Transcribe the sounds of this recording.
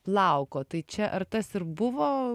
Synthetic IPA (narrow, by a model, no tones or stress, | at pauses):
plˠɐʊkoːt̪ɐɪt͡ʃʲɛʔɐɾt̪ɐsɪɾbʊʋoː